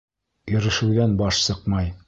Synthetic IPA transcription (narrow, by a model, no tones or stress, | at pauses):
jɵ̆ɾɘ̆ʃɘ̆wðænbɒʃsɤqmɑj